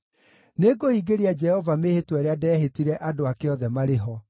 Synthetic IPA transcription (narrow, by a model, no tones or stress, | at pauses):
neɡohiɡeɾiad͡ʒɛhɔvamehetwɛɾeadɛːɦetiɾɛʔadoakeɔðɛmaɾeɦɔ